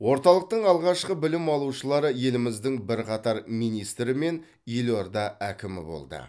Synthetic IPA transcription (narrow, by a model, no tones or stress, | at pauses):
wo̞ɾt̪ɑlˠəq̚t̪əɴɑlˠʁɑʃqəbɪlɪmɑlˠuʃəlˠɑɾəje̞lɪmɪzd̪ɪŋbɪɾqʰɑt̪ɑɾmijnijst̪ɾɪme̞n | iloɾd̪ɑækʲɪmɪ̰bo̞̰lˠd̪ə̰